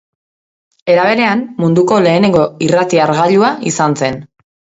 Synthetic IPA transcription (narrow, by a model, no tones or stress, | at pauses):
e̞ɾaβ̞e̞ɾe̞ammund̪uko̞le̞ːne̞ŋɡo̞irat̪iaɾɣaʎuaʔisanse̞n